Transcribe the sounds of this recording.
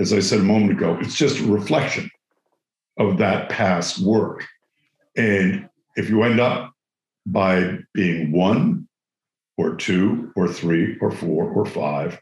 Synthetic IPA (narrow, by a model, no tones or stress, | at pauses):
ɨzaɪsɛɾəmõʊ̃mɨ̃ntɨɡoʊʔɨtsd̥ʒ̥ʌstəɹɨflɛkʃɨ̃n | ʌvðɨt̚pʰæst̚wɜ˞k | ɨ̃n | ɨfjɨwɛ̃ndʌp̚ | b̥aɪb̥iɪ̃ŋwʌ̃n | ə˞tʰʉə˞θɹiə˞fɔɹə˞fa̰ɪv̥